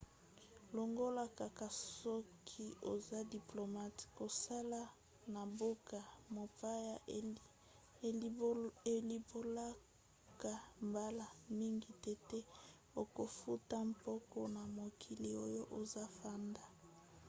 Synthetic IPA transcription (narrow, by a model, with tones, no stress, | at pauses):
lo˨ŋɡo˦la˦ka˨ka˨sɔ˦kʰi˦o̰˨za˦di˨plo˨ma˦ti̥˨ko˨sa˦la˦ | na˨bo˦ka˨mo˨pa˦ja˨ | e˨li˨bo˦la˦ | ka˨mba˦la˨mi˦ŋɡi˨tɛ˦tɛ˦ | o˨ko˨fu˦ta˦mpɔ˦kɔ˦na˨mo˨kʰi˨li˨o˦jo˦ʔo˨za˦fa˦nda˨